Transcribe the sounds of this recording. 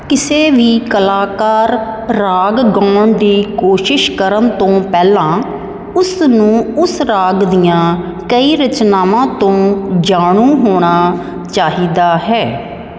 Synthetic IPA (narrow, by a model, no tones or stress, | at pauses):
kɪseːʋiːkəlaːkaːɾː | aːɡɡaːɳd̪iːkoːʃɪʃkəɾənt̪õːpɛːlãː | ʊsnũːʊsɾaːɡd̪ijãː | kəiːɾət͡ʃnaːʋãːt̪õːd͡ʒaːɳuːɦoːɽ̃aː | t͡ʃaːɦiːd̪aːɦɛː